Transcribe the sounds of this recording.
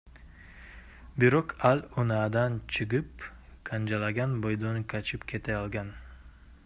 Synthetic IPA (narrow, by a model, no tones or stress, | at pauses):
biɾoqʰalʲonad̪ant͡ʃʰɨʁɨpkʰand͡ʒalˠaɡʲanbojd̪onkʰat͡ʃʰɪpkʲʰe̞t̪ʰaɑlˠɡan